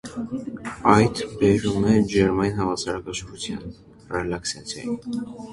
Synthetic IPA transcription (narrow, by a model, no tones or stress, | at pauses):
ɑjt̪ʰbɛɾumɛd͡ʒɛɾmɑjinhɑvɑsɑɾɑkɑʃəɾut͡sʰjɑ̰n | rɛlɑksɑt͡sʰjɑ̰ji